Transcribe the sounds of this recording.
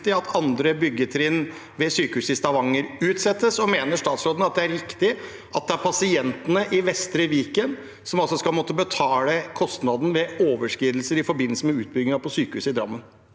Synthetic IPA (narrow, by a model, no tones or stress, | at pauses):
t̪ɪɑt̪ʰɑnd̪ɾəbʏɡːət̪ʰɾɪn | ʋɛsyːkəhʉːsɪst̪ɑʋɑŋːəɾʉːt̪sɛt̪ːəsɔmeːnəʂt̪ɑːt̪sɾoːd̪n̩ɑt̪̚d̪ɛæɾɾɪkt̪ɪ | ʔɑt̪̚d̪ɛæɾpʰɑsɪɛnt̪ənəʔɪʋɛst̪ɾəʋiːkən | sɔmɑlsɔskɑlmɔt̪ːəbət̪ʰɑːləkʰɔst̪nɑd̪n̩ʋɛoːʋəʂkɾiːd̪lsəɾɪfɔɾbɪnːəsəmɛʉːt̪̚bʏɡɪŋɑpʰɔsyːkəhʉːsɪd̪ɾɑ̰mːən